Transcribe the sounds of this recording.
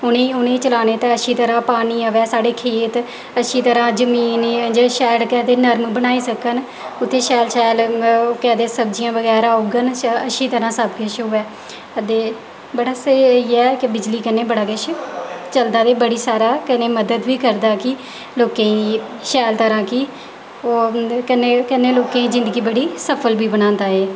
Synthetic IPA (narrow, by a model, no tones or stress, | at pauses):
ʊnẽʊnẽːiːt͡ʃəlaːneːt̪aəʃiːt̪əɾãːpaːniːəʋɛːsaːɽeːkʰeːt̪ | əʃiːt̪əɾãːd͡ʒəmiːnd͡ʒaːʃɛːlkɛːd̪eːnəɾmbənaːiːsəkən | ʊt̪ʰːeːʃɛːlʃɛːlːkɛːd̪eːsəb̚d͡ʒijãːʋəɡɛːɾaːuːɡənəʃiːt̪əɾãːsəbkɪʃɦʊɛː | ət̪eː | bəɽaːsəiːɛːkɪbɪd͡ʒliːkənːeːbəɽaːkɪʃt͡ʃəld̪aːd̪eːbəɽiːsaːɾaːkəneːməd̪əd̪ʋiːkəɾd̪aːkɪ | loːkẽːĩː | ʃɛːlt̪əɾãːkɪ | oːkəneːkənːeːloːkẽːĩːd͡ʒɪ̃nd̪ɡiːbəɽiːsəpʰəlbiːbənãːnd̪aːeː